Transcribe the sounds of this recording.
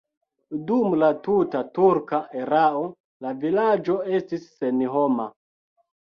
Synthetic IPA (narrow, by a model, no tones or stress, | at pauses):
dumlatutatuɾkaʔeɾao | lavilad͡ʒo̞e̞stisːenɦo̞ma